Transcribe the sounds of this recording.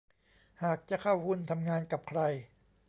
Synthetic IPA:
haː˨˩k̚t͡ɕa˨˩kʰa˥˩whu˥˩˨nt̪ʰa˧mŋaː˧nka˨˩p̚kʰɾa˧j

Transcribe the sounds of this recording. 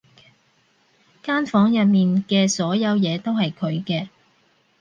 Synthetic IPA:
kaː˥nfɔː˨˥ŋjɐ˨t̚miː˨nkɛː˧sɔː˨˥jɐ˨˧wjɛː˨˧t̪o˥whɐ˨jkʰɵ˨˧ɥkɛː˧

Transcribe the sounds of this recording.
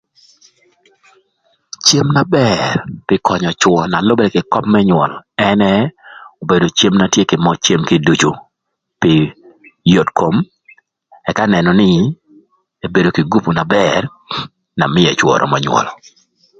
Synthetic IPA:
t͡ʃe˦mna˦bɛrpɪ˦kʰɔ˨ɲɔ˨t͡ʃwɔ˨na˨lo˦bɛ˦ɾɛ˨kɪ˨kɔ˦pmɛ˦ɲwɔ˨lɛ˦nɛ˦o˨be˨do˨t͡ʃe˦mna˦tje˦kɪ˨mɔ˦t͡ʃe˦mkɪ˦du˨t͡ʃo˨ | pɪ˨ | jo˨tkʰo˨m | ɛ˨ka˦nɛ˨nɔ˨nɪ˦ | e˨be˨do˨kɪ˨ɡu˦pu˨na˨bɛr | na˨mɪ˦ɛ˨t͡ʃwɔ̰˨ɾʔɔ̰˨mɔ˨ɲwɔ̰˨lɔ˨

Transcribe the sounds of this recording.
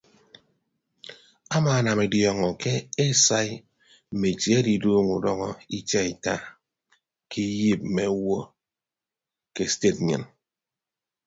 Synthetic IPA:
a˦maː˨˦˨na˨me˨djɔ˨ŋɔ˨ke˦e˦sa˦i˦ | m̩˨me˨t͡ʃje˦di˨doː˦ŋu˨dɔ˦ŋɔ˦i˦t͡ʃa˦i˨ta˦ | ki˦ji˦p̚m̩˨me˨˦wo˦ | ke˦ste˦˨t̚ɲɨ̰˨n

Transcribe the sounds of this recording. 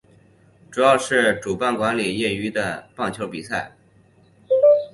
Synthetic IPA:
ʈ͡ʂu˨˩jɑ˥˧ʊʂɻ̩˥˩ʈ͡ʂu˨˩pa˥˩nkwa˧˥nli˨˩jɛ˥˩y˧˥d̪ə˧pɑ˥˩ŋt͡ɕʰjo˧˥ʊpi˨˩sa˥˩ɪ

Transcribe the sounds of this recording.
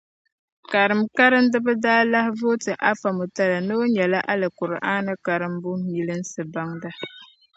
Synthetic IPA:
ka˨ɾɨ˨mka˦ɾɨ˦mdɨ˦bɨ˦daː˦la˦hvo˦tɨ˨ʔa˦fa˨mʊ˨ta˦la˨nɨ˦ɲɛ˨la˦ʔa˦lɨ˨kʊ˨ɾɨ˨ʔa˦nɨ˦ka˨ɾɨ˦mbʊ˦ɲi˨lɨ˦n˦sɨ˨ba˦ŋda˦

